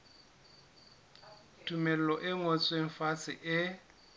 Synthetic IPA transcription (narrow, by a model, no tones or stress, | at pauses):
tʰʼumel̩lɔʔɪŋot͡sʼweŋ̩fat͡sʼɪ̰ʔɪ